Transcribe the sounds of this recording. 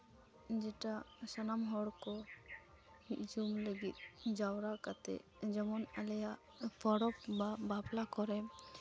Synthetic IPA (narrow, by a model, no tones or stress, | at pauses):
d͡ʒɛʈasanamɦɔɽkɔ | miʔd͡ʒumləɡit̪̚d͡ʒawɾakat̪ɛ̰ | d͡ʒɔmɔnalɛjaʔ | pʰɔɽɔpbaplakɔɾɛ